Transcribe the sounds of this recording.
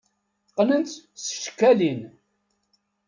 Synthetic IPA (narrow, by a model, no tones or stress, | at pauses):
qːnənt͡s̪sə̥ʃkːælin